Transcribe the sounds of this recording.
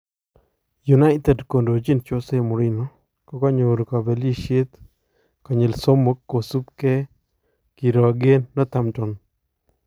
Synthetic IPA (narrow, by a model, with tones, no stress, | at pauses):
ju˨na˦ɪt̪ɛ˨dko˨ndo˨t͡ʃi˦nt͡ʃo˦se˦mʊ˨ɾɪ˦nɔ˦ | kɔ˦kɔ˦ɲo˨ɾka˨be˨li˦ʃe˦t̪ | ka˨ɲe˨lso˦mo˦kːo˨su˦pkɛ˦ | ki˨ɾɔ˨ɡe˦nːɔ˦t̪a˨mt͡ʃɔ˨n